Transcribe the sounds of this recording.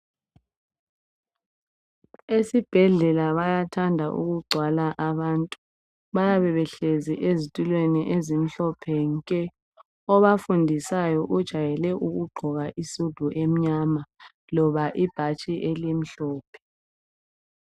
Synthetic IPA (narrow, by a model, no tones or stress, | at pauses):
esib̥ʱɛɮɛlaβajatʰandʱaʔṵɣuɡ͡ǀʱwalaʔaβaːntʼu | βajaβɛβɛɬeziʔezitʼilweniʔezim̩ɬɔpʰɛŋkʼɛ | ɔβafundʱisajɔʔud̥ʒ̥ʱajɛlɛʔuɣuɡ͡ǃʱɔɣaʔisud̥ʱuʔem̩ɲama | lɔβaʔib̥ʱat͡ʃʼiʔelim̩ɬɔːpʰɛ̥